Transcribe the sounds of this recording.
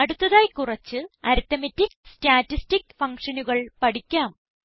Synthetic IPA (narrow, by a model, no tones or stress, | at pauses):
ɐɽut̪ːɐðaːjkurɐt͡ɕːɨɐɾut̪ɐmɐtːikstaːtːistikfɐŋkʂɐnuɣɐɭpɐɽikʲːaːm